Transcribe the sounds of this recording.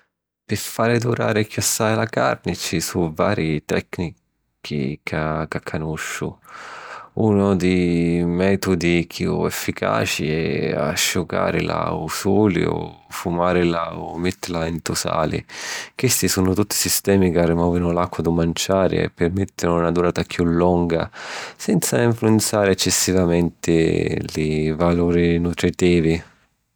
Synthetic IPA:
pɪfaːɾɪd̪uɾaːɾɪkːjasːaːjlaka̰rnɪt͡ʃisuvaːɾit̪ɛ̰kːni | kʰḭkʰakakʰːanuʃːʊ̰ | unʊd̪imɛːt̪ʊd̪ikʰjuɛfːikʰa̰ːt͡ʃḭɛa̰ʃːʊka̰ːɾɪla̰usuːlḭo̰fumaːɾɪlaɔmet̪ːɪlaint̪ʊsa̰ːlɪ̰kwest̪isuːnʊt̪ut̪ːi̥sist̪ɛːmikarːɪmɔːvinʊlakːwad̪ʊmant͡ʃaːɾɪ̰ɛ̰pːɪrmet̪ːɪnʊnad̪uɾaːt̪akjulːɔŋɡa̰sɛnt̪saiɱfluɛnt̪saːɾɪɛt͡ʃːɛsːivamɛnt̪ɪ̰lɪvaluːɾinut̪ɾit̪iːvi

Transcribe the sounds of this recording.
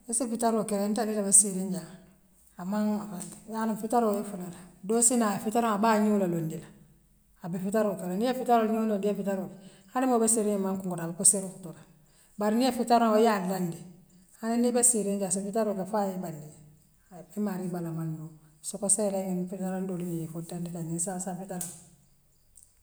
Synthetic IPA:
isifitaɾokeɾentanilabesiɾiɲɟaː | maŋafandijanufitaɾoefulaladoːsinafitaɾoŋabaɲuulalondila | abifitaɾokeɾanijefitaɾoɲulondiefitaɾoi | hanimobesiɾiɲamaŋkuŋɡuɾabakusiɾikutula | baɾinijefitaɾoŋojadandi | haninibesiɾeɲd͡ʒas̬ifitaɾokafajebandil | bemaɾibalamandosokoselainfitaɾandolimijefudandilaɲisasafitaɾa

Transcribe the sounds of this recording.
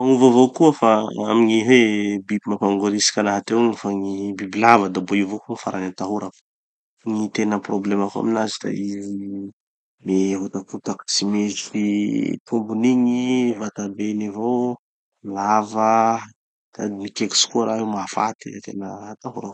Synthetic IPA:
aŋuvovokuəfaa̰miɲiɦebibimapaŋɡoɾisi̥kʲanaɦat̪ewŋifaŋibibilavəd̪aboiwvokuŋifaɾanat̪aɦuɾak | ŋit̪enəproblemaka̰minazid̪a̰izi | meɦot̪akut̪akḁsimezit̪ʰumbuniɲivat̪abenivo | lavə | t̪a̰d̪imikeki̥si̥kuaɾaɦemafa̰t̪ḭt̪ḛnəat̪aɦuɾa

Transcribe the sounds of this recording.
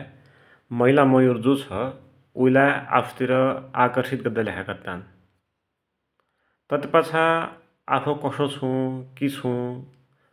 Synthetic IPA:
mʌɦilamʌjoɾd͡zot͡sʰʌ | ujlaa̰pʰʌ̥t̪iɾʌakʌrsit̪̚ɡʌrd̪alakʰakat̪an | t̪ʌt̪epat͡sʰa | a̰pʰʌkʌsõt͡sʰũkit͡sʰũ

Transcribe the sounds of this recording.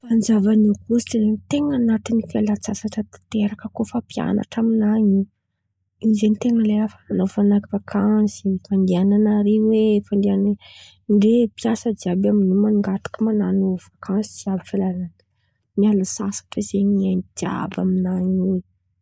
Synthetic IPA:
fand͡ʒavanakusi̥ʈ͡ʂeɾeɲit̪eŋanat̪inifalat͡sasaʈ͡ʂət̪ḁt̪eɾakəkofapja̰na̰ʈ͡ʂaminaɲi | izenit̪eŋəleafananofanakivakʰansifand̪iananaɾewefand̪ianan | ɳɖ͡ʐepjasəd͡ʒiabaminumanuŋɡat̪i̥kəmananuv̥akʰansid͡ʒiabifalalan | mialasasḁʈ͡ʂezeɲanid̪̥ia̰baminaɲi

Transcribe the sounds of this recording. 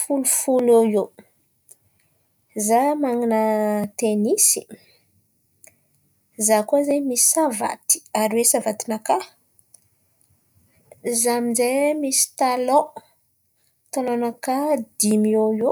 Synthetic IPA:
fulufulojo | zamaŋinət̪enisi | zakoazamisi̥sava̰t̪i̥aɾwesavat̪inaka | zaminzemisi̥t̪alo | t̪alonəkad̪imiojo

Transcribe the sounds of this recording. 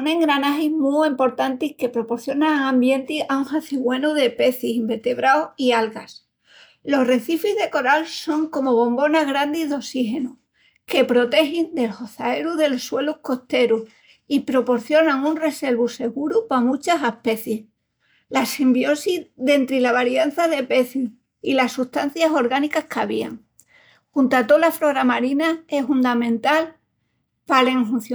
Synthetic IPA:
onẽ̞ŋɡɾanaxizmuempo̞ɾt̪ant̪ihke̞pɾo̞po̞ɾθjo̞naŋãmbje̞nt̪iauŋxaθiɣwe̞nuðe̞pe̞θisimbe̞ɾt̪e̞βɾaoialɣas | lo̞ɦre̞θifizðe̞ko̞ɾalso̞ŋko̞mo̞βo̞mbo̞naɣɾand̪iðo̞sixe̞nu | ke̞pɾo̞t̪e̞xind̪e̞lho̞θae̞ɾuðe̞loswe̞luhko̞ht̪e̞ɾuh | ipɾo̞po̞ɾθjo̞naŋunre̞se̞ɾβuse̞ɣuɾupamũt͡ʃasahpe̞θjeh | lasimbjo̞siðe̞nt̪ɾilaβaɾjanθaðe̞pe̞θu | ilasːuht̪an̟θjaso̞ɾɣanikahkaβia̰ŋ | xunt̪at̪olafɾo̞ɾamaɾinae̞hund̪amẽ̞nt̪al | pale̞ŋfun̟θj

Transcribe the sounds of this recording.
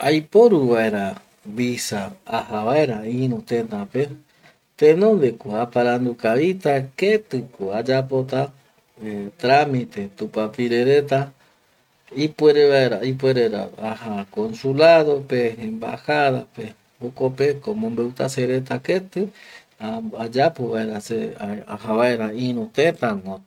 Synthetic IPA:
ajpo̞ɾuβae̞ɾa | βisaːhaβaeɾaĩɾũt̪ẽnd̪ape | t̪ẽnõ̞nd̪ekoapaɾand̪ukaβit̪aket̪ɨkoad͡ʒapo̞t̪a | t̪ɾamit̪e̞t̪upapiɾeɾe̞t̪a | ipweɾeβaeɾaip̬weɾeɾa̰ahakõnsulaðo̞peẽmba̰haðape | okopekomõmbewt̪aseɾe̞t̪aket̪ɨ | aad͡ʒapoβaeɾaseahaβaeɾaĩɾũt̪ẽt̪aŋõ

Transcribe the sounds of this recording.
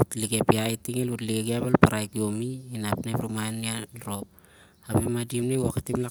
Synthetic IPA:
utliɡepiajtiŋelutliɡeɡiaβalpaɾajkio̞miinapnepɾumaenːialɾo̞p̚ | abemadimneaketimla

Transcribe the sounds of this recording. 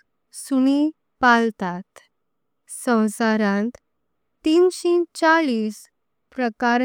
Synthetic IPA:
suni | palt̪at̪ | sə̃w̃saɾãnt̪ | t̪iːnɕit͡ɕaɭiːs | pɾəkaɾ

